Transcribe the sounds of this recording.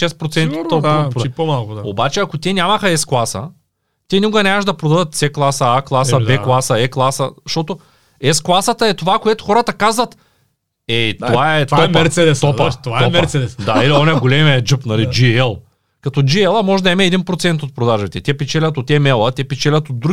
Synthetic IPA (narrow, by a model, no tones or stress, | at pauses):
ʃɛspɾot̪ɛnppomalˠkʊaobat͡ʃɛɐkot̪ʲɛnʲamɐxɐɛsklˠasə̰ | t̪ɛnikoɡɐnʲakəʃd̪ɐpɾod̪ɐd̪ət̪̚t̪sɛklˠasəaklˠasəbɛklˠasɐɛklˠasəʃt̪ɔt̪o | ɛsklˠasɐt̪ɐɛt̪ovakoɛt̪ʊ̥xɔɾɐt̪ɐkazvɐt̪ | ɛt̪ovaɛt̪aɔmpɛɾsɛd̪ɛst̪ɔɐt̪ovamɛɾt̪sɛd̪ɛsd̪ailiɔnɛɡolɛmɛd͡ʒɨpnɐlid͡ʒiɛlˠ | kɐt̪ɔd͡ʒiɛlˠəmɔʒɛd̪ɐɛmɛːd̪inpɾot̪sɛnt̪ot̪̚pɾod̪aʒbɛt̪ɛt̪ʲɛpɛt͡ʃɛlʲɐt̪ot̪ɛmɛlˠɐt̪ʲɛpɛt͡ʃɛlʲɐt̪od̪ːɾu